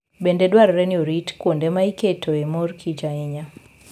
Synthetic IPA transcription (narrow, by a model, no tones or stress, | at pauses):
bendedwaɾɾɛnioɾitkwondemaiketoemorkʰit͡ʃaɛɲa